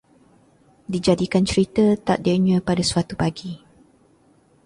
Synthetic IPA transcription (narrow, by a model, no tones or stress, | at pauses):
did͡ʒadikant͡ʃəɾit̪ət̪a̰ʔ̚dəɲə̃padasuwat̪upaɡi